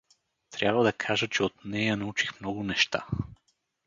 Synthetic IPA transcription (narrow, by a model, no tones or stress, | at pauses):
t̪ɾʲabvəd̪ɐkʰaʒət͡ʃɛot̪nɛjɐnɐut͡ʃi̥xmnɔɡʊnɛʃt̪a̰